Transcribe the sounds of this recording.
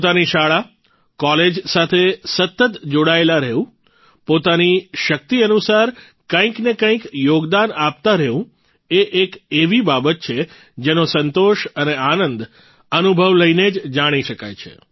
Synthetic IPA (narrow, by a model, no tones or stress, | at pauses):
pt̪aniʃaɭa | kɔled͡ʒsat̪ʰesət̪ːət̪d͡ʒoɽaelaɾɛũ | pot̪aniʃək̚t̪iənusaɾ | kə̃ĩknekə̃ĩkjoɡd̪anap̚t̪aɾɛʋũ | eʔekeʋibabət̪̚t͡ʃʰe | d͡ʒenosənt̪oʃəneanənd̪ | ənubʱəʋləined͡ʒd͡ʒaɽ̃iʃəka̰jt͡ʃʰḛ